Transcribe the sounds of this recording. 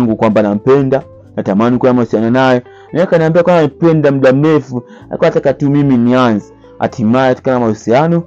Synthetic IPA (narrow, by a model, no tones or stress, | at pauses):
ŋɡukwambanam̩pɛnda | natamanikuamausianɔnajɛ | naɛkaniambiakwamam̩pɛndam̩ɗam̩ɾɛfu | a̰likuaatakatumiminianzɛ̥ | a̰tʰimajɛati̥kanamausianɔ